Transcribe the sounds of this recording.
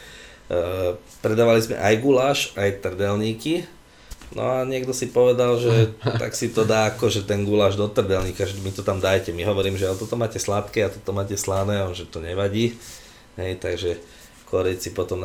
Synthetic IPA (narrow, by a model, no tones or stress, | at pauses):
pɾɛd̪aːʋalizmɛ̰ʔajɡulaːʃajt̪r̩dɛlɲiːki | nɔ̰aɲɪɛɡd̪ɔsipɔʋɛd̪alʒɛt̪a̰ksit̪ɔd̪aːkɔʒɛt̪ɛnɡulaːʒd̪ɔt̪r̩dɛlɲiːkaʒɛmit̪ɔt̪amd̪ajcɛmiɦɔʋɔɾiːmʒɛalɛt̪ɔt̪ɔmaːcɛslap̪kɛːat̪ɔt̪ɔmaːcɛslanɛːɔnʒɛt̪ɔɲɛʋaɟiː | ɦɛjt̪aɡʒɛ | kɔɾɛcsipɔt̪ɔm